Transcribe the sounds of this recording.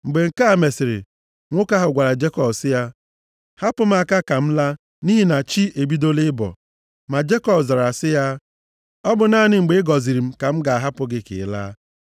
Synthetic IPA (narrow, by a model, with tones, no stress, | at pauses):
ŋ͡m̩˨ɡ͡be˨ŋ̩˨ka˦a˨me˨sɪ˨ɾɪ̰˨ | ŋʷʊ˦ka˦ɦʊ˨ɡʷa˨ɾa˨d͡ʒe˦kɔ˨bsɪ˦ja˦ | ha˦pʊ˦m̩˦a˨ka˦ka˨m̩˦la˦ | ni˦ɦi˦na˨t͡ʃi˦ʔe˨bi˦do˦lɪ˦bɔ̰˨ | ma˨d͡ʒe˦kɔ˨bza˨ɾa˨sɪ˦ja˦ | ɔ˦bʊ˨naː˦˨nɪ˨ŋ͡m̩˨ɡ͡be˨˦ɪ˦ɡɔ˨zi˨ɾi˨m̩˦ka˨m̩˦ɡa˨a˨ɦa˦pʊ˦ɡɪ˦kɪ̰˨la̰ː˦